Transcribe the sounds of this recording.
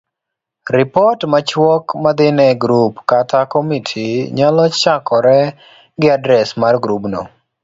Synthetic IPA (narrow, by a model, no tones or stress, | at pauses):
ɾɪpɔtmat͡ʃwɔkmad̪ɪnɛɡɾupkatakomitʰiɲalɔt͡ʃakɔɾɛ | ɡɪadɾɛsmarɡɾupno̰